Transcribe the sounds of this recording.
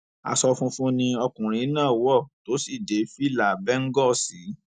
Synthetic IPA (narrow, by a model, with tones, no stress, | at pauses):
a̰˧sɔ˧fũ˦fũ˦nĩ˧ɔ˧kũ˨ɾ̃ĩ˨˦nãː˦˨wɔ˦˨to˨˦si˦˨de˨˦fi˦˨la˨bɛ˦ŋ̩˦ɡɔ˦˨si˨˦